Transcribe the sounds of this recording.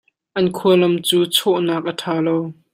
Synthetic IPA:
ʔɐnkʰuɐlɐmt͡suːt͡sʰɔʔnaːk̚ʔɐtʰaːlow

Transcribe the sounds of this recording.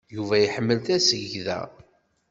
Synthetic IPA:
juvæjħəmːəlt̪æsəʝðæ̰

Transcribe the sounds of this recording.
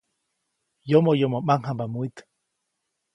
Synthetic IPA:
jomojomomaŋɦambamuit̪

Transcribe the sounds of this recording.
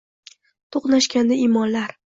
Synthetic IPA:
t̪ʰoqnaʃkʲand̪aimɒnlaɾ

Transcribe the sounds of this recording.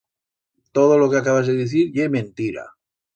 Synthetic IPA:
t̪oðolokeakaβazðeðiθiɾʎemẽnt̪iɾa̰

